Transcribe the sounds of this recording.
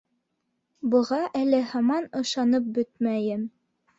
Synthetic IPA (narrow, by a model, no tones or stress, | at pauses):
bɤ̆ʁɑʔælɘhɑmɑnɤ̆ʃɑnɤp̚bɵt̪mæjɘm